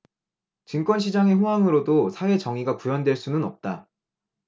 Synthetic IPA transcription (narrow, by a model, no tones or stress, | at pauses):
t͡ɕɯnk͈wʌnɕ̬ʰid͡ʑaŋe̞ɸoɦaŋɯɾodosʰawe̞t͡ɕʌŋiɡakujʌndwe̞ɭs͈unɯnʌp̚t͈a